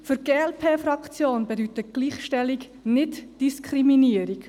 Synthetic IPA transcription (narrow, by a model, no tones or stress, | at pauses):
fʏɾɡ̥eːɛlpʰeːfɾɑkt͡sjoːnbɛdyt̪əɡ̥liːχʃtɛlːik | nɪtd̥iskʰχɾiminiəɾik